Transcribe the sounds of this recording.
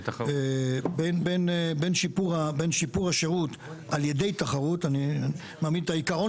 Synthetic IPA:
ebenbenbenʃipuʁabenʃipuʁaʃe̞ʁut̪ | alje̞dejt̪aχaʁut̪ani | maːmid̪̚t̪aikaʁo

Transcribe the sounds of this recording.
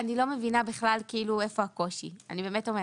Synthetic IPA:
anilo̞me̞vinabiχlalkiiːlue̞fo̞ako̞ʃḭa̰nibe̞ːmetome

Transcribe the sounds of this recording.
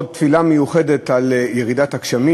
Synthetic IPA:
dt̪filamejuχedet̪aljeʁidatakʃami

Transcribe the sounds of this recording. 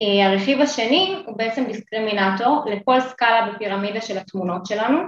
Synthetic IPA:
eaʁeχivaʃenihubeet͡se̞mdiskʁiminato̞ʁleko̞lskalabepiʁamidaʃe̞lat̪muno̞tʃe̞lanu

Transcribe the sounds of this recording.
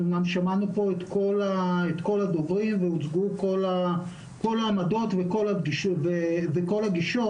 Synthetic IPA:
namʃamanupo̞et̪ko̞laet̪ko̞lad̪ovʁimveut͡sɡukola | ko̞laːmado̞tveko̞laɡiʃveveko̞laɡiʃo

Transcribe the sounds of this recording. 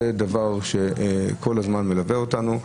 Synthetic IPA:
ed̪avaʁʃe̞kʰo̞lazmanme̞laveotanu

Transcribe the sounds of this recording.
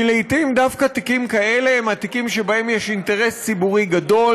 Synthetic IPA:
ileitimd̪afkat̪ikimkae̞le̞emat̪ikimʃebahe̞mjeʃinte̞ʁe̞st͡sibuʁiɡado̞l

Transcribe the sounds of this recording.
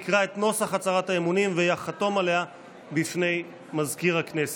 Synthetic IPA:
kʁae̞t̪no̞saχat͡saʁathaemunimvejaχato̞male̞a | bifne̞j | mazkiʁhaknese̥

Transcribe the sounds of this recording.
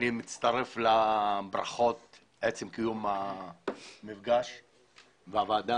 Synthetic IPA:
nimit͡st̪aɾe̞flabɾa̰χo̞t̪̚ | et͡semkijuma | mivɡaʃ | veavaːd̪a

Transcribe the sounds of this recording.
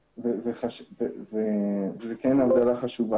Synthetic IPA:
veveχaʃvevezekɛnavd̪alaχaʃuva

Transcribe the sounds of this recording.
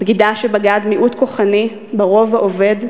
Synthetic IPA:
bɡid̪aʃebaɡad̪miʔut̪ko̞χani | baʁo̞vaʔove̞d

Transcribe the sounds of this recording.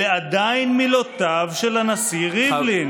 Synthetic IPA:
ead̪ajnmilot̪avʃelanasiʁiblin

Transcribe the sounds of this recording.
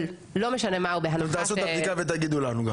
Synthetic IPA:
l | lo̞meʃanemaubeɦant̪aasut̪abd̪ikavet̪aɡid̪ulanuɡam

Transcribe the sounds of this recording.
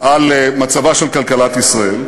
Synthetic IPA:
ʔalmat͡savaʃelkalkalat̪isʁael

